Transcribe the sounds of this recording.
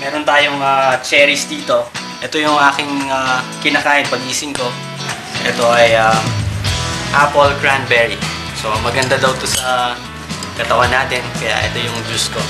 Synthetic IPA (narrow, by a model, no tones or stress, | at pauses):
mɛːɾo̞nt̪aːjoŋaːt͡ʃɛːɾɪsd̪iːt̪o̞ | ʔɛt̪o̞jʊŋʔaːkɪŋakɪnakaːʔɪnpɐɡʔiːsɪŋko̞ | ʔɛt̪o̞ʔɐjam | ʔapolɡɹanbɛɹi | so̞mɐɡɐnd̪ad̪ɐwt̪osɐ | kɐt̪ɐwanːaːt̪ɛnkɐja̰ʔɛ̰t̪o̞jʊŋd͡ʒusko̞